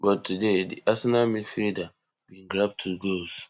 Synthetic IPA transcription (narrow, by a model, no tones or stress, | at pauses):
bɔtʰːudedḭʔasɛnamifida | bĩnɡɹap̚tʰuɡols